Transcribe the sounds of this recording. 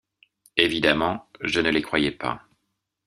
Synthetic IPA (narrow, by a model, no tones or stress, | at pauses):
evid̪amɑ̃ʒənəlekχwajɛpa̰